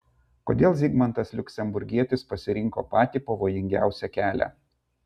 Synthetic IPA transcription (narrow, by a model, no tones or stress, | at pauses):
ko̰ːd̪ʲeːlˠzʲiːɡmɐnt̪ɐslʲʊkʲsʲɛmbʊɾʲɡʲiɛt̪ʲɪspɐsʲɪɾʲɪŋko̰ːpɑːt̪ʲiːˑpɐʋoːjɪŋʲɡʲæ̰ˑʊsʲɛkʲæːlʲæ̰ː